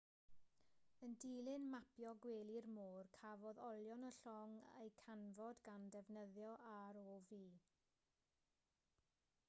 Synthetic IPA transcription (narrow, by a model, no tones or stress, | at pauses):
əndiːlˠɪnmapjɔɡweːlˠirmoːrkʰavɔðɔlˠjɔnəɬɔŋḛjkʰanvɔdɡandɛvnəðjɔʔaɾɔviː